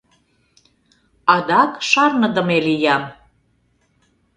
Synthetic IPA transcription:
ɑd̪ɑkʃɑrnə̆d̪ə̆melijɑm

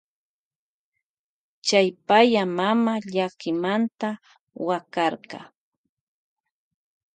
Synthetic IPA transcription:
t͡ʃajpajamamaʎakɪmant̪a | wakɑɾɢɑ̰

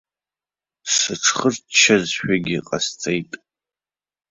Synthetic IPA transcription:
sɨʈ͡ʂʰχərtt͡ʃʰɐzʃᶣaɡʲɪqʼa̰st͡sʼejtʼ

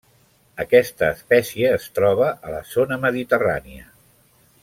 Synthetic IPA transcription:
əkɛst̪əːspɛsiəːst̪ɾɔβ̞əʔələzonəməðit̪əra̰niə̰

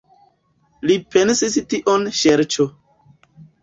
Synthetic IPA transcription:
lipensistiʔonʃeɾt͡ʃo

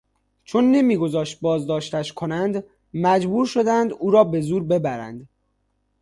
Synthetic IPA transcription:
t͡ʃʰonːe̞miːɡo̞zɒːʃt̪̚bɒːzd̪ɒːʃt̪æʃkʰo̞nænd̪ | mæd͡ʒbuːɾʃo̞d̪ænd̪uːɾɒːbe̞zuːɾbe̞bæɾæ̰nd̪

